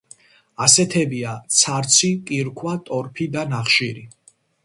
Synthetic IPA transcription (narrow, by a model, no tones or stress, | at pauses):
asɛt̪ʰɛbiat̪sʰaɾt̪sʰikʼiɾkʰwat̪ʼɔɾpʰid̪anaχʃiɾi